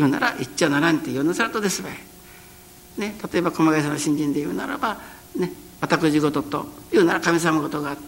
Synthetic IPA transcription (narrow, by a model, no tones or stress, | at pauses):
jɯːna̰ɾaʔit͡ɕːonaɾanit̪ːejonasaɾat̪od̪esɨβe | ne̞t̪at̪o̞e̞bako̞maɡas̬anoɕĩɲ̟d͡ʑĩnd̪ejɯːna̰ɾa̰ba | neβat̪akɯ̟ʑiɡo̞t̪o̞t̪o̰jɯ̟ːnaɾakamʲis̬amaɡo̞t̪o̞ɡaːt̪ː